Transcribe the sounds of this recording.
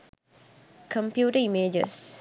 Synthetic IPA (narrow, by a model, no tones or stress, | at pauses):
kʰɔ̃mpjutəimed͡ʒə̰s